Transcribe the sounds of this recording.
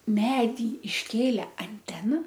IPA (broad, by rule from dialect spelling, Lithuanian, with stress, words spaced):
ˈmʲæːdʲiː ɪʃʲˈkʲeːlʲɛ ɐnʲˈtʲæːnɐ